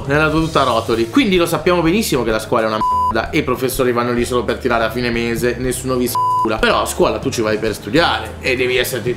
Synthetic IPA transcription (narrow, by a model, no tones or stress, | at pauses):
nelːat̪uot̪ut̪ːaɾɔːt̪olikwind̪ilosapːjaːmobenisːimok̟elaskwɔːlɛunamɛd̪a̰ʔeipɾofesːoːɾivanːolisoːlopert̪iɾaːɾeafːiːnemeːzenesːuːnovisuːlapeɾɔaskwɔːlat̪ut͡ʃːivajperst̪ud̪jaːɾeed̪ːɛːviɛsːeɾt̪i